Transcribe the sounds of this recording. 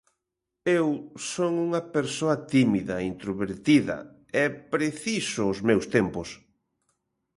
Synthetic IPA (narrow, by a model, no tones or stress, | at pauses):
ewsoŋuŋɐpeɾsoɐt̪imiðɐeint̪ɾoβeɾt̪iðɐ̰ | ɛpɾeθisʊːzmewst̪empʊs